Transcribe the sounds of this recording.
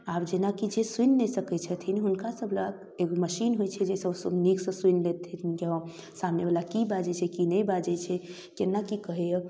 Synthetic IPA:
abd͡ʒenakid͡ʒeswinlɛsəkɛt͡ʃʰət̪ʰiniɦunkasəbʱləɡ | eɡoməʃinɦojt͡ʃʰɛd͡ʒesəbsəbniksə̃sinlet̪ʰɛja | samnebalakibad͡ʒɛt͡ʃʰɛkinɛjbad͡ʒɛt͡ʃʰɛ | kenːakikəɦɛə

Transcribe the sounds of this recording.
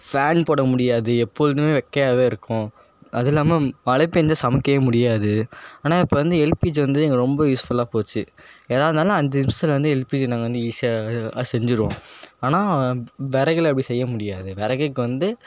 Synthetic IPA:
faːnpoːɽɐmʊɽɪjaːðɯɛpːoɻɯðɯmeːʋɛkːɐjaːʋeːɪɾɯkːʊ̃ | ɐðɪlːaːmɐmɐɭɐp̬ːɛnd͡ʒasɐmɐkːɐjɐmʊɽɪjaːðɯaːnaːɪpːɐʋɐnd̪ɯɛlpiːd͡ʒʋɐnd̪ɯɛŋɡɐɾɔmbɐjuːsfɐlaːpoːt͡ʃːɯeːðaːʋðɯnaːlɐ̃ɐnd̪ɐɪnst̪ɐlɐʋɐnd̪ɯɛlpiːd͡ʒnaːɡɐʋɐnd̪ɯiːsjasɛɲd͡ʒɪɾɯʋõːaːnaːʋɛɾɐɣɐɭɐpːɐɽisɛjːɐmʊɽɪjaːðɯʋɛɾɐɣɐkːɯʋɐnd̪ɯ

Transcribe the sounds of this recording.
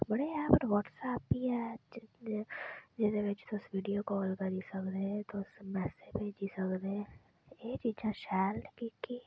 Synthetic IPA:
bɐɽejãpɐɾʋɔːʈsɛːpːiɛː | d͡ʒɛːsebeːt͡ʃi̥t̪osʋiːɖijokɔːlkɐɾisɐkd̪eet̪osmɛːsebʱeːd͡ʒisɐkd̪ee | et͡ʃid͡ʒãʃɛːɾnkiki

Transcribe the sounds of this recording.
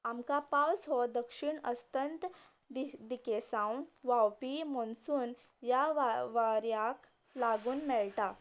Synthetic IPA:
amkapawsɦɔd̪əkʂiɳəst̪ənt̪ | d̪id̪ikesãwnʋawpimɔnsuːn | jaʋʋaɾjak | laɡuːnmɛlʈa

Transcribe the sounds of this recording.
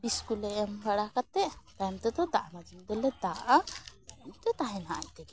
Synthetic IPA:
biskulɛɛmbaɽakat̪ːɛʔt̪amt̪ɛd̪ɔd̪aʔanad͡ʒimɡ̪ɛlɛd̪aʔa | mt̪ɛt̪aɦɛ̃naʔa̰jt̪ɛɡɛ

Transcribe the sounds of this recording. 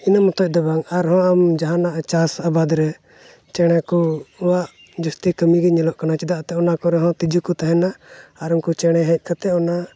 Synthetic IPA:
inamɔt̪ɔc̚d̪ɔbaŋaɾɦɔ̃amd͡ʒaɦanaʔt͡ʃasabad̪ɾɛ | t͡ʃɛɽ̃akɔɔwaʔ | d͡ʒust̪ikəmiɡɛɲɛlɔʔkanat͡ʃid̪aʔt̪ɛɔnakɔɾɛɦɔ̃t̪id͡ʒukut̪aɦɛnaːɾɔŋkut͡ʃɛɽ̃ɛɦɛc̚ˀkʰat̪ɛɔna

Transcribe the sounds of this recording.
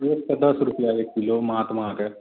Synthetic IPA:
ektɐd̪ɐsɾʊpjaekkiloːmaːt̪mãːkɛ

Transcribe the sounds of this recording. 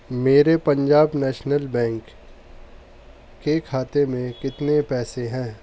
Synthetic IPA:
meːɾepɐ̃ɲd͡ʒaːbnɛːʃnəlbɛ̃ːŋk | ekʰaːt̪emẽkɪt̪nepɛːseɦɛ̃ː

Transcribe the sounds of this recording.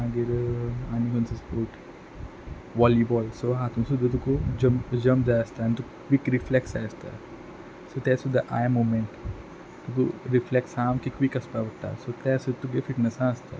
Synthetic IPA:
ãɡiɾaːnikɔnsɐspoːʈ | ʋɔːlibɔːjsoɦãːt̪ũsud̪ut̪ukud͡ʒɐmpd͡ʒɐ̃mpd͡ʒajɐst̪ant̪ukʋikɾiflɛksaːɐst̪a̰ | sot̪ɛsud̪ɐʔa̰ːjəɾmoːmẽɳʈ | t̪uk̪uɾiflɛksãːmkikʋikɐspaʋɐɾt̪a̰ːsot̪ɛːsut̪uɡefɪʈnəsãːɐst̪a̰ː

